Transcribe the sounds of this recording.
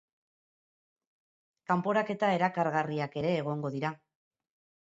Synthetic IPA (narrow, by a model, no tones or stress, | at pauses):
kampo̞ɾake̞t̪ae̞ɾakaɾɣariake̞ɾe̞ːɣ̞o̞ŋɡo̞ðiɾa